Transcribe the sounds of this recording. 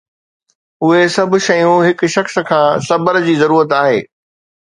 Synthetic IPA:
ʊɦesɐb̆ʱʃɐjũɦɪkʃɐxskʰãːsɐbəɾd͡ʑiːzɐɾuːɾət̪aːɦḛː

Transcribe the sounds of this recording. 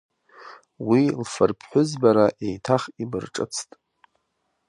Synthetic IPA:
wilfɨrpʰħʷᶣʊzbaɾaʔejtʰaχibɨrʈ͡ʂʼɨ̰t͡sʰtʼ

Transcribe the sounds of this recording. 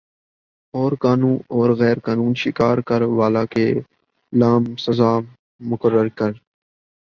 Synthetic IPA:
ɔːɾkaːnũːnɔːɾɣɛːɾkaːnuːnʃɪkaːɾkəɾʋaːlaːkeː | laːmsəzaː | mʊkəɾːəɾkəɾ

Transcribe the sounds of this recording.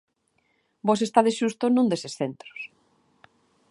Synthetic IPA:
bos̬est̪aðesʃust̪onũnd̪esesθent̪ɾo̥s

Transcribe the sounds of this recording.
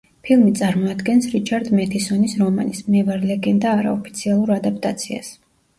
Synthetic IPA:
pʰilˠmit̪sʼaɾmɔad̪ɡɛnsɾit͡ʃʰaɾd̪mɛt̪ʰisɔnisɾɔma̰nismmɛvaɾlɛɡɛnd̪aːɾa̰ɔpʰit̪sʰialˠuɾad̪ap̚ʰt̪ʼat̪sʰia̰s

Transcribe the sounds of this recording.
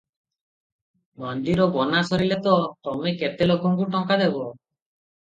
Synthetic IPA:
mɔnd̪iɾɔbɔnasɔɾilɛt̪ɔt̪ɔmɛket̪elokɔŋkuʈɔŋkad̪ɛbɔ

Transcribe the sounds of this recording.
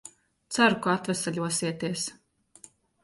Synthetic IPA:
t̪saɾukɔat̪vɛsɛʎʲuɔsiɛt̪iɛs

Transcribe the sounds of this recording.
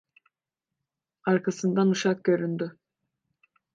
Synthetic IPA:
ɑɾkɑsɯnd̪ɑnuʃɑq̚kʲøɾynd̪y

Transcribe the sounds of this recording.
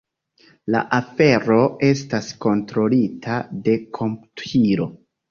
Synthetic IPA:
la̰ʔafe̞ɾo̞e̞stasko̞ntɾo̞litʰade̞kʰo̞mputiɾo̞

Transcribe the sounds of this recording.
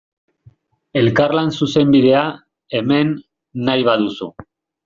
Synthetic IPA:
e̞lkarlansuse̞mbiðe̞a | e̞me̞nː | ajβaðusṵ

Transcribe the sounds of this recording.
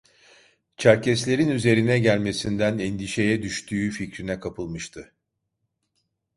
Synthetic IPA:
t͡ʃʰæɾcɛslʲe̞ɾinyze̞ɾinɛɟælʲme̞sind̪ænɛnd̪iʃe̞jɛd̪yʃt̪ʰyːficɾinɛkʰapɯlˠmɯʃt̪ʰɯ

